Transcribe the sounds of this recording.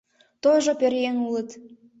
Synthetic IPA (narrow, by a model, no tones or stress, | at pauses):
t̪oʒopøɾjenulət̪